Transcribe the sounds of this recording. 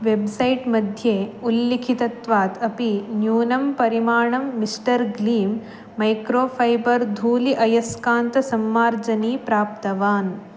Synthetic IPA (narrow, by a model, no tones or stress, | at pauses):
ʋebsɐjʈmɐd̪ʱjeːulːikʰit̪ɐt̪ʋaːt̪ɐpinjuːnɐmpɐɾimaːɳɐmːisʈɐɾɡliːmː | ɐjkɾoːpʰɐjbɐɾd̪ʱuːliʔɐjɐskaːnt̪ɐsɐmːaːɾd͡ʒɐniːpɾaːp̚t̪ɐʋaːn